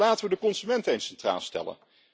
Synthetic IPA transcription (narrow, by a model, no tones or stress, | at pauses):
laːtəʋədəkɔnzymɛntejnsɛntra̰ːlˠstɛ̰lə̰n